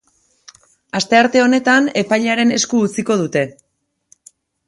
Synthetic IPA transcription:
ast̪e̞aɾt̪e̞o̞ne̞t̪ane̞pajʎaɾe̞ne̞skuːt͡siko̞ð̞ut̪e̞

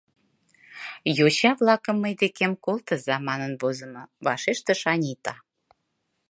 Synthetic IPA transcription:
jot͡ɕɑβlɑkə̆mːəjd̪ekemkolt̪ə̆zɑmɑnənβozə̆moβɑʃeʃt̪ə̆ʃɑnʲit̪ɑ

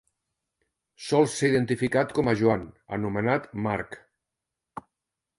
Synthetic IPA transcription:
sɔlˠseiðent̪ifikat̪kɔməʒuanə̰numənat̪maɾk

